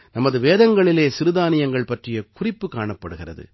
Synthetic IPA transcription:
nɐmɐðɯʋeːðɐŋɡɐɭɪleːsɪɾɯðaːnɪjɐŋɡɐɭpɐʈrɪjɐkʊrɪpːɯkːaːɳɐpːɐɽɯɣɪrɐ̰ðɯ̰

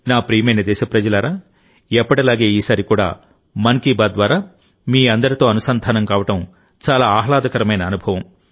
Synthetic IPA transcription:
naːpɾiːmɐjnɐd̪ɛːʃɐpɾɐd͡ʒɐlaːɾaː | ɛpːɐʈɐlaːɡe̞ːiːsaːɾikuːɽa̰ː | mɐnkiːbaːd̪ʋaːɾaː | miːɐnd̪ɐɾit̪o̞ːɐnusɐnd̪ʱaːnɐmkaːʋɐʈɐm | t͡ʃaːlaːaːɦlaːd̪ɐkɐɾɐmɐjnɐːnubʱɐʋɐm

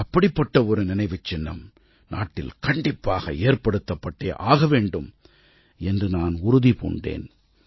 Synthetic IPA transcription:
ɐpːɐɽɪpːɐʈːɐɔɾɯnɪnɐɪʋɯt͡ʃːɪnːɐ̰m | nʔa̰ːʈːɪ̰lkɐɳɖɪpːaːɣɐ̰eːrpɐɽɯt̪ːɐpːɐʈːeːʔaːɣɐʋeːɳɖɯm | ɛndrɯnaːnʊɾʊðipo̰ːɳɖḛːn

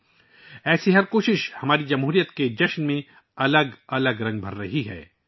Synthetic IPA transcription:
ɛːsiɦɐɾkoːʃɪʃhɐmaːɾid͡ʒɐmɦuːɾijət̪ked͡ʒɐʃnmẽ | ɐləɡɐləɡɾɐ̃ŋɡ̚bʱɐɾːɐɦiɦɛ̰ː

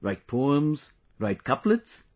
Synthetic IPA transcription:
ɹaɪt̚pʰoə̃mz̥ | ɹaɪt̚kʰʌpləts

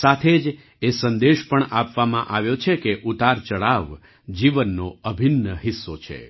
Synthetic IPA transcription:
sat̪ʰed͡ʒ | esənd̪eʃpəɳapʋamãʔaʋjot͡ʃʰekeʔut̪aɾt͡ʃəɭaʋ | d͡ʒiʋənːoəbʱinːəɦisːot͡ʃʰḛ

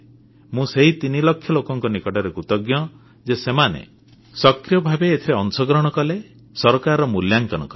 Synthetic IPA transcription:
mũseɦit̪inilɔkʰːjɔlokɔŋkɔnikɔʈaɾekut̪ɔɡjɔ | d͡ʒesemanḛ | sɔkɾijɔbʱabeːt̪ʰiɾeɔnsɔɡɾɔɽ̃ɔkɔle | sɔɾɔkaɾɔmuljaŋkɔnɔ̰kɔ

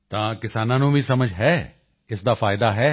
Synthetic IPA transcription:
t̪ãːkɪsaːnãːnũːʋiːsəməd͡ʒɦɛː | ɪsd̪aːfʰaːɪd̪aːɦɛː

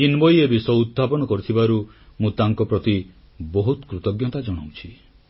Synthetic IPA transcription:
inbɔjebisɔud̪̚bʱapɔñɔkɔɾut̪ʰibaɾumũt̪aŋkɔpɾɔt̪i | bɔɦut̪kɾut̪ɔɡjɔt̪ad͡ʒɔɽ̃awt͡ʃʰi

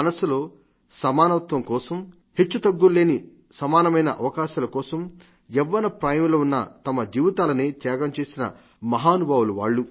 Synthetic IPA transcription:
ɐnɐsulo̞ː | sɐmaːnɐʋɐt̪ʋɐŋkɔːsɐm | het͡ʃːut̪ɐɡːulːe̞ːni | sɐmaːnɐmɐjnɐʔɐ̰ʋɐkaːʃaːlɐkɔːsɐm | jɛʋːɐnɐpɾaːjɐmuloːunːɐ̰t̪ɐmɐd͡ʒiːʋit̪aːlɐneːt̪jaːɡɐmt͡ʃe̞ːsinɐ̰ | mɐɦaːnubʱaːwulɐʋa̰ːɭːu

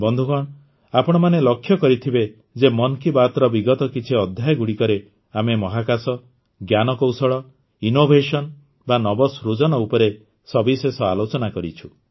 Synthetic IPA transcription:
bɔnd̪ʱuɡɔɽ̃ | apɔɽ̃ɔmanelɔkʰːjɔkɔɾit̪ʰibe | d͡ʒemɔnkibat̪ɔɾɔbiɡɔt̪ɔkit͡ʃʰiɔd̪ʱjajɡuɽikɔɾe | amemɔɦakasɔ | ɡjanɔkowsɔɭɔ | inobʱeʃɔn | banɔbɔsɾud͡ʒɔnɔupɔɾe | sɔbisesɔalot͡ʃɔnakɔɾit͡ʃʰu̥

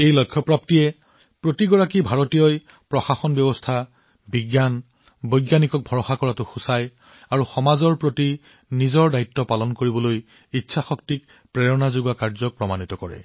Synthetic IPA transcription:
ejlɔkʰːjɔpɹap̚tijɛ | pɹotiɡɔɹakibʱaɹɔtijɔj | pɹɔxaxɔnbjɔbɔstʰa | biɡjan | bojɡjanikɔk̚bʱɔɹɔxakɔɹatʊxusaj | aɹuxɔmazɔɹpɹoti | nizɔɹdaitːɔpalɔnkoɹibɔloj | itːsʰaxɔk̚tik̚ | pɹɛɹɔnazuɡakaɹzɔk̚pɹɔmanitɔkɔɹɛ̰

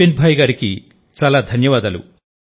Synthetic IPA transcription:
enbʱaːjɡaːɾikḭ | t͡ʃaːlaːd̪ʱɐnjɐʋaːd̪ɐlṵ

